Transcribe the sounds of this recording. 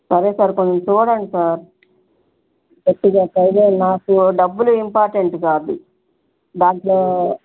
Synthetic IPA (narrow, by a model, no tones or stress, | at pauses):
sɐɾeːsaːɾkond̪ɐmt͡ʃuːɽɐɳɖisaːɾ | keʈːiɡaːkɐjd̪eːnaːkuɖɐbːuluimpaːɾʈeɳʈɡaːd̪u | daːɡloː